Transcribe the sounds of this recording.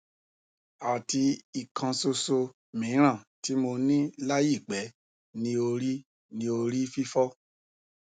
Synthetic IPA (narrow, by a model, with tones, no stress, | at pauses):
a˨ti˧i˨kʰã˧so˧so˧ | mĩ˨˦ɾ̃ã˦˨ti˨˦mo˧nĩ˦la˦ji˦˨ɡ͡bɛ˨˦ | nĩ˧˦o˧ɾi˦ | nĩ˧o˧ɾi˦fi˦fɔ˦